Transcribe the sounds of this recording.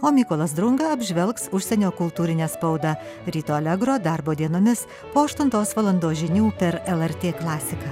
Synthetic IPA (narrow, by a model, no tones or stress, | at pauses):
oːmʲiːkoːlˠɐsd̪ɾʊŋɡɐɐbʲʒʲʋʲɛlˠksʊʃʲsʲɛnʲoːkʊlˠt̪uːɾʲɪnʲɛːspɐʊd̪ɐ | ɾʲiːt̪oːɐlʲɛɡɾoːd̪ɐˑɾboːd̪ʲiɛnoːmʲɪs | poːɐʃt̪ʊnt̪oːsʋɐlˠɐnd̪oːʒʲɪnʲuːpʲɛɾɛlˠɛɾʲt̪ʲeːklˠɑːsʲɪkɐː